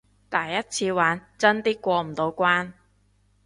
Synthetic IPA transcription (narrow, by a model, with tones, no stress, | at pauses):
t̪ɐ˨˩jːɐ˥t̚t͡sʰiː˧waː˨˥nt͡sɐ˥nt̪iː˥kʷɔː˧m̩˨˩t̪o˨˧wkʷaː˥n